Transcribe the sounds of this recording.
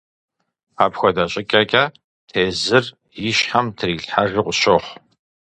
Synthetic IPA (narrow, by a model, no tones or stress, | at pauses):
aːpxʷɔdɐɕʼɪkʲʼɐkʲʼaː | tʰeːzɨr | jɪʃħamtʰɨriːɬħarɨqʷʊɕoχʷ